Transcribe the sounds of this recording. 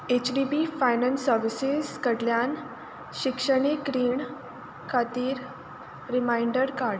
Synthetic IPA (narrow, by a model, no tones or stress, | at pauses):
et͡ɕɖibifajnənsəɾʋisizkəɽljan | ɕikʂəɽ̃ikɾiːɳ | kʰat̪iːɾ | ɾimaiɳɖəɾkaɾɽ